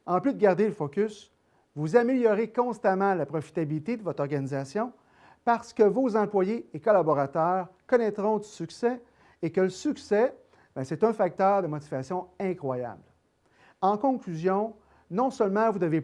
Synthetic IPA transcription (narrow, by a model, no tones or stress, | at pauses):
ɑ̃plyd̪əɡaʁd̪eləfɔkʲys | vuzameljɔʁekɔ̃st̪amɑ̃lapʁɔfi̥t̪abilit̪ed̪əvɔt̪ʁɔʁɡanizasjɔ̃ | paʁsə̥kəvozɑ̃plwajeekɔlabɔʁat̪œːʁkɔnɛt̪ʁɔ̃d̪ysyksɛ | ekələsyksɛ | bɛ̃sɛt̪ɛ̃fak̚t̪œːʁd̪əmɔt͡sivasjɔ̃ɛ̃kχwaja̰bl | ɑ̃kɔ̃klyzjɔ̃ | nɔ̃sœlmɑ̃vud̪əve